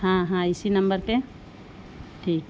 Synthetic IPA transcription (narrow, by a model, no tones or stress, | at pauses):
ɦãɦãisinɐmbəɾpe | ʈʰiːk